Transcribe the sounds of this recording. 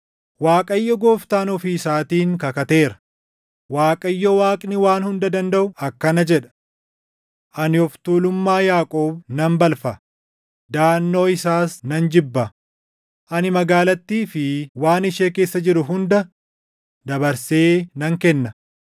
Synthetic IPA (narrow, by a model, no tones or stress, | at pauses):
waːkʼɐjːɔɡoːft̪aːnɔfiːsaːt̪iːŋkɐkɐt̪e̞ːɾɐ̥ | waːkʼɐjːɔwaːkʼnɪwaːnhʊnd̪ɐd̪ɐnd̪ɐʔʊɐkːɐnɐd͡ʒɛᶑɐ̥ | ʔɐnɪɔft̪uːlʊmːaːjaːkʼoːbnɐmbɐlfɐ | d̪aːnːo̞ːɪsaːsnɐnd͡ʒɪbːɐ | ʔɐnɪmɐɡaːlɐt̪ːiːfɪwaːnɪʃeːke̞ːsːɐd͡ʒɪɾʊɦʊnd̪ɐ | d̪ɐbɐɾseːnɐŋkɛnːɐ